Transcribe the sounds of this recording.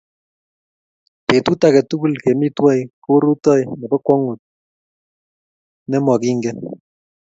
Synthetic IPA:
pe˨tu˦ta˨kɛ˨tu˦ku˦lke˨mi˦twɔ˦jko˦ɾu˦tɔ˦jnɛ˨pɛ˦kwɔ˦ŋo˨t̚ | nɛ˦mɔ˨ki˦ŋɡɛ

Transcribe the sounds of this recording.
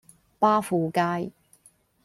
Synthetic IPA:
paː˥fuː˨kaː˧j

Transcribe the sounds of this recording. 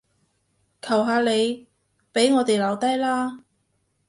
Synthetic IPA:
kʰɐ˨˩wɦaː˨˧le˨˧j | pe˨˥jŋɔː˨˧t̪e˨jlɐ˨˧wt̪ɐ˥jlaː˥

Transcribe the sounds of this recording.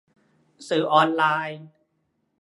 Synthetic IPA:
sɯː˨˩˦ʔɔː˧nlaː˧j

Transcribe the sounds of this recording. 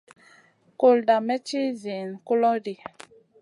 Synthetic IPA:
ko˨lda˨mɛ˦t͡ʃi˦zi˨nko˦lɔ˦di˨

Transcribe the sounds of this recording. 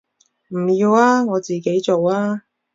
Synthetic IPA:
m̩˨˩jiː˧waː˥ŋɔː˨˧t͡siː˨ke˨˥jt͡so˨waː˥

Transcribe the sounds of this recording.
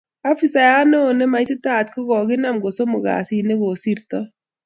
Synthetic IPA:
a˦fi˨sa˨ja˦noː˦˨ne˦ma˨jtɪ˦ta˦˨t̪ko˦ɡɔ˨ɡɪ˦na˦˨mɡo˨so˦mʊ˨ɡa̰˨si˨ne˦ɡo˨si˦ɾtɔ˦

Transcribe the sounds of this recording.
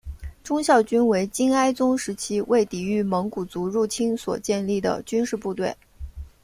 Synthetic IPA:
ʈ͡ʂʊ˥ŋɕjɑ˥˩ʊt͡ɕy˥nwe˧˥ɪt͡ɕi˥na˥ɪt͡sʊ˥ŋʂɻ̩˧˥t͡ɕʰi˥wʔe˥˩ɪt̪i˨˩y˥˩mɤ˧˥ŋku˨˩t͡su˧˥ɻu˥˩t͡ɕʰi˥nswɔ̰˨˩t͡ɕjɛ˥˧nli˥˩d̪ə̰˩t͡ɕy˥nʂɻ̩˥˧pu˥˧t̪we˥˩ɪ

